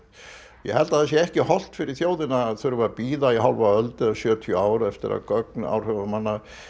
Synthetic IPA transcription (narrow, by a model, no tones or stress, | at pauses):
jɛ̰hɛlt̪aðθɛsjɛɛhcɪhɔl̥t̪fɪɾɪɾ̥θjoːwðɪnaðθœɾvʏapiːðajɛɦalvaœlt̪ɪasjœːt̪ʰjʏaːwɾɛft̪ɪ̰ɾa̰ðkœk̚na̰wr̥hœvamanːa